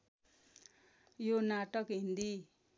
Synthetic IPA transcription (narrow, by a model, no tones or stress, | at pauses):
jonaʈʌkɦind̪i